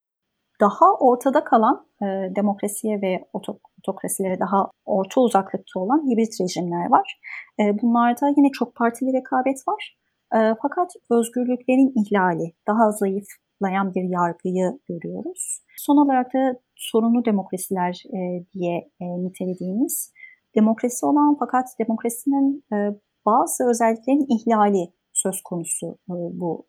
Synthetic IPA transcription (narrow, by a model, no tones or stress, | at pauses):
d̪̥ahaʔo̞ɾt̪ʰad̪akʰalˠan | ɯd̪e̞mo̞kɾasijɛvɛot̪ʰ | ot̪ʰo̞kɾasilʲeɾɛd̪aɦao̞ɾt̪ʰauzaklˠɯk̚t̪ʰao̞lˠanhibɾit̪ɾe̞ʒimlʲæɾvaɾ̥ɯːbunlˠaɾd̪ajinɛt͡ʃʰo̞k̚pʰaɾt̪ʰilʲiɾekʰaːbɛt̪vaɾ̥ | ɯːfakʰat̪ø̞zɟyɾlʲyclʲe̞ɾiniçlʲaːlʲid̪̥aɦazajɯf | lˠajanbiɾjaɾɡɯjɯɟøɾyjo̞ɾuz̥ | so̞nalˠaɾak̚d̪ʰa | so̞ɾunlˠud̪e̞mo̞kɾasilʲæɾd̪ijɛnit̪ʰe̞lʲe̞d̪iːmiz̥ | d̪̥e̞mo̞kɾasio̞lˠanfakʰat̪d̪e̞mo̞kɾasininː | b̥aːzɯø̞zɛlʲːiclʲeɾiniçlʲaːlʲi | sø̞zkʰo̞nusubu